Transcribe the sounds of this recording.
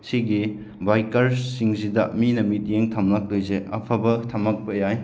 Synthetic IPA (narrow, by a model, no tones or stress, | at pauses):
siɡi | bajkɐɾsiŋzidɐminɐmit̚jeŋtʰamlak̚lojzeɐ̰pʰɐbɐtʰɐmɐk̚pɐjaj